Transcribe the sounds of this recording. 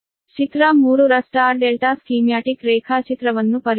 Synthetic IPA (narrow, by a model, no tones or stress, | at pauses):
t͡ʃit̪ɾamuːɾuɾɐsʈaːɾɖelʈaːskiːmjaːʈikɾɛːkʰaːt͡ʃit̪ɾɐʋɐnːupɐɾ